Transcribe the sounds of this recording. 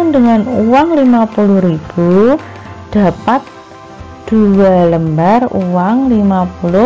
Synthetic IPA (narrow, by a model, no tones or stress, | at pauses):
ndəŋanuwaŋlimapuluhɾib̥u | d̥a̤pat̪̚ | d̪̥uwaləmbarṵwaŋlimapulʊ